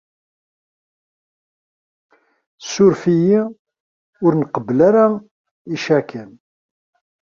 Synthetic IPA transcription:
sːʊɾfiji | ʊɾnqəblaɾa | iʃækʰən

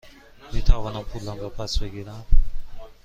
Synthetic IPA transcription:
miːt̪ʰævɒːnæmpʰulːæmbɒpʰæsbeɡiːɾæm

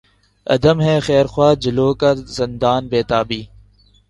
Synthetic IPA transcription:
ɐ̰d̪əmɦɛːxɛːɾxwaːd͡ʒɪloːkazɪnd̪aːnbeːt̪aːbiː

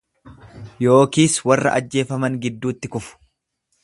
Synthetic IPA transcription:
jo̞ːkiːswɐrːɐ̰ʔɐd͡ʒːe̞ːfɐmɐŋɡɪd̪ːuːt̪ːɪkʊfʊ̥

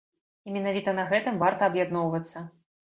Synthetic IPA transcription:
imʲɛnavʲit̪ɐnɐɣɛt̪ɨmvart̪ɐːbjad̪nɔwvɐt̪sːɐ

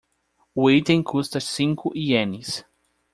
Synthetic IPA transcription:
wejt̪ẽŋkʰust̪ɐsĩŋkʰʊʔiẽnis

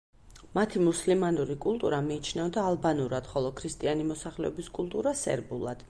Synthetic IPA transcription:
mat̪ʰimuslimanuɾikʼulˠt̪ʼuɾamiːt͡ʃʰnɛvd̪aːlˠbanuɾad̪̥χɔlˠɔkʰɾist̪ʼianimɔsaχlɛɔbiskʼulˠt̪ʼuɾasɛ̰ɾbulˠa̰d̪̥

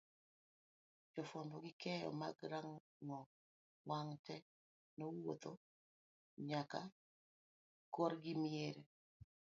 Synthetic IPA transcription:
d͡ʒɔfwambɔɡɪkɛjɔ̰maɡɾaŋ | ŋɔ | waŋtɛ | nowot̪o | ɲaka | koɾɡɪmieɾe

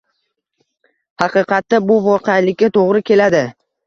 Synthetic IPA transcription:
hɑqɨqɑt̪ːabʊvɒqʰejlɪkʲːat̪ʰoʁɾɪkʲʰe̞lad̪ɪ

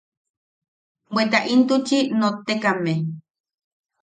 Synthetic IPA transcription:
bʷwet̪aʔint̪ut͡ʃinot̪ekame

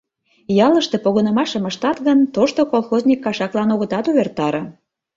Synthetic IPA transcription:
jɑləʃt̪epoɣonəmɑʃə̆məʃt̪ɑt̪ɣənt̪oʃt̪okolˠxozʲnʲikːɑʃɑklɑnoɣə̆t̪ɑt̪uβert̪ɑɾɤ̆

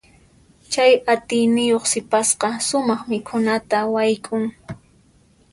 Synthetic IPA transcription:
t͡ʃajat̪ɪjnɪjoχsɪpasqɑsʊmɑχmɪkʰʊnat̪awajkʼʊŋ

